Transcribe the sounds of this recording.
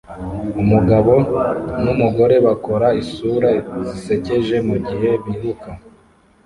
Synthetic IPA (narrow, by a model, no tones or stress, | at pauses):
umuɡaβo̞numuɡo̞ɾe̞βako̞ɾaisuɾazise̞ce̞ʒe̞muɟiɦe̞βihuka